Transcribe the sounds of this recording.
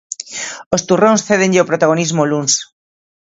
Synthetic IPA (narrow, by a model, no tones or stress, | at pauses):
ost̪urõnsθeð̞ẽɲʎeowpɾot̪aɣonizmoluns